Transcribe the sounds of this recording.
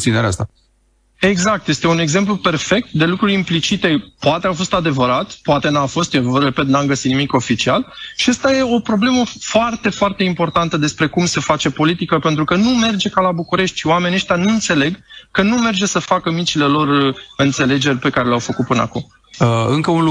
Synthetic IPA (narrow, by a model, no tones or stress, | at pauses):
t̪ineɾea̰st̪a | e̞ɡzak̚t̪je̞st̪e̞une̞ɡze̞mp̬lupe̞rfe̞k̚t̪̚d̪e̞lukɾuɾʲimplit͡ʃit̪e̞poat̪eafo̞st̪ad̪e̞vəɾat̪poat̪e̞nafo̞st̪jerepe̞t̪̚namɡəsit̪nimiko̞fit͡ʃialʃiast̪aje̞o̞pɾo̞ble̞məfoart̪e̞foart̪eimpo̞rt̪ant̪əd̪e̞spɾe̞kumse̞fat͡ʃe̞po̞lit̪ikəpe̞nt̪ɾukənume̞rd͡ʒe̞kalabukuɾe̞ʃt̪ʲʃiwame̞nʲeʃt̪ʲanuɨnt̪se̞le̞ɡkənume̞rd͡ʒe̞səfakəmit͡ʃile̞lo̞rɨnt̪se̞le̞d͡ʒe̞rʲpe̞kaɾe̞leawfəkut̪̚pɨna̰kum | əɨŋkəun